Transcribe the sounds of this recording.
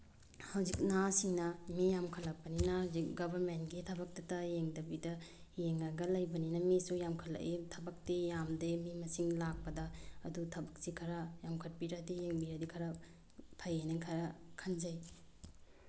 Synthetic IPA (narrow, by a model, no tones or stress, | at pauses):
hɐwzik̚nasiŋnɐmijamkʰɐlɐpːɐninɐhɐwzik̚ɡɐbʱɐɾmentɡitʰɐbɐk̚tɐtɐjeŋdɐbidɐ | jeŋːɐɡɐlɐjbɐninɐmisujamkʰɐlːɐ̰ʔetʰɐbɐk̚tejamdemimɐsiŋlak̚pɐdɐːdutʰɐbɐk̚sikʰɐɾɐjamkʰɐt̚piɾadijeŋbiɾɐdikʰɐɾɐ | pʰɐjeneŋkʰɐɾɐkʰɐnzɐj